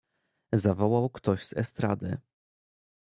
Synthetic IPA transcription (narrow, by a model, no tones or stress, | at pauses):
zavɔwawkt̪ɔʑz̥ɛ̰st̪ɾad̪ɘ̰